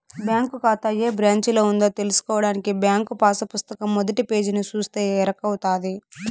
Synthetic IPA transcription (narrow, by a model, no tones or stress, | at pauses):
bjaːŋkukaːt̪ɐjeːbɾjaːɲt͡ʃiloːund̪oːt̪e̞lusu̥kɔːʋɐɽaːnikibjaːŋkupaːsɐpust̪ɐkɐmːod̪ɐʈipe̞ːd͡ʒinit͡ʃuːst̪e̞ːɛːɾɐkːɐwut̪aːd̪i